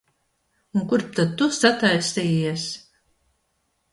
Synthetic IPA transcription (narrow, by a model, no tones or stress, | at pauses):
uŋkuɾp̚t̪at̪ːusat̪ajsʲt̪ijis